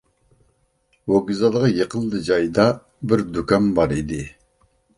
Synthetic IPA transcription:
woɡʲizɑlˠʁɑjeqʰəlˠd̪ɨd͡ʒɑjd̪ɑ | bɪɾd̪ukɑmbɑɾid̪ɪ

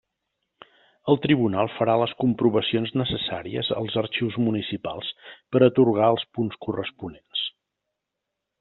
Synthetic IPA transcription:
əlˠt̪ɾiβunalˠfəɾaləskumpɾuβəsionznəsəsa̰ɾiə̰zə̰lˠzəɾt͡ʃiwzmunisipa̰lˠspəɾət̪uɾɣ̞aəlˠspunskurəspunens

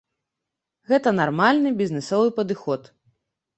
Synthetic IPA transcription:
ɣɛt̪ɐnarmalʲnɨbʲiznɛsɔvɨpɐd̪ɨxɔt̪

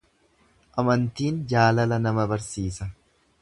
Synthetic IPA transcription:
ʔɐmɐnt̪iːnd͡ʒaːlɐlɐnɐmɐbɐɾsiːsɐ

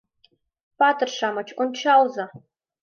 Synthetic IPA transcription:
paːtʰɨrʂaːmɐt͡ʃʰʔʷʊnt͡ʃʰaːwzɐ

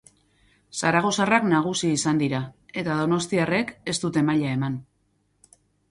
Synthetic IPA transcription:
saɾaɣ̞o̞saraknaɣ̞usiːsand̪iɾae̞t̪aðo̞no̞st̪iare̞ke̞st̪ut̪e̞maʎae̞man

